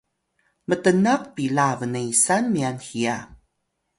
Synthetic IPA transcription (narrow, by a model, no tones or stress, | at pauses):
mətənaq̚pilavənəisanmianxia